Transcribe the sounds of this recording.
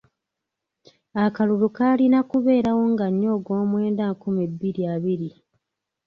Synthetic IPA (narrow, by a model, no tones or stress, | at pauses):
akalulukaːlinakuβe̞ːɾawo̞ŋɡaɲːo̞ːɡo̞ːmwe̞ːndaːŋkumibːiɾiaːβiɾi